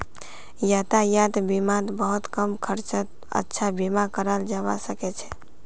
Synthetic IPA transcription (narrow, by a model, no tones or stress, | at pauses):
jat̪ajat̪bimat̪bəɦut̪kəmkʰəɾt͡ʃət̪̚ | ə̰tːʃʰabimakəɾəld͡ʒabasəkɛt͡ʃʰɛ̥